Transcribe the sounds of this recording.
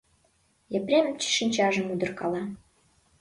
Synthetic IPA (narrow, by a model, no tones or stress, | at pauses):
japɾʲemʲɘmt͡ɕi̥ʃɨnʲt͡ɕɑʒə̆mud̪ɤ̆rkɑlˠɑ